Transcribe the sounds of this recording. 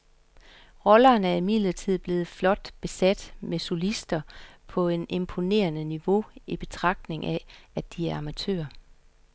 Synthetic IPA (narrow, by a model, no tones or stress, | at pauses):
ʁɒ̽lɐːnæɐimið̰ˠlɐt͡sʰið̞̰ˠb̥le̝ːð̞̩ˠflɒ̽d̥b̥e̝sæd̥meso̝lisd̥ɐpʰɒ̽e̝ne̝mpʰo̝ne̝̰ːɐnəniʋo̝ib̥e̝t͡sʰʁɑ̈ɡ̥̚d̥ne̝ŋʔææd̥iæɐɑ̈mæt͡sʰø̰ːɐ